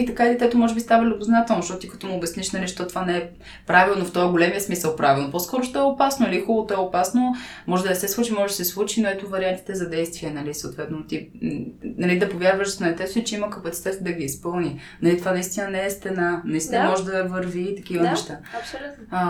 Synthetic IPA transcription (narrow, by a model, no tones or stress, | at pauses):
it̪ɐkailʲɛt̪ɛt̪omɔʒɛbist̪avəlʲioboznat̪ɛlˠnoʃt̪ɔt̪t̪ikɐt̪ɔmuʊbɛsniʃnɐliʃt̪ot̪ovanɛɛ | pɾavilˠnoft̪ɔjəɡolɛmiəsmisəlˠpɾavilˠnoposkɔɾʊʃt̪ɔɛoʊpasnʊilixulˠot̪oɔɛopasnomɔʒɛd̪ɐnɛsɛslˠut͡ʃimɔʒɛd̪ɐsɛslˠut͡ʃinoɛt̪ʊvɐɾʲiant̪i̥t̪ɛzɐd̪ɛjst̪viɛnɐlisɐot̪vɛt̪not̪i | nɐlid̪ɐpovʲjaɾvəʃnɛt̪ɛt̪it͡ʃɛimɐkɐpɐt̪si̥t̪ɛt̪d̪ɐɡʲiːspɤlˠni | nɐlit̪ovanɐist̪inɐnɛɛst̪ɛnanɐist̪inmɔʒɛd̪ɐvəɾvit̪ɐkivənɛʃt̪aɐlʲu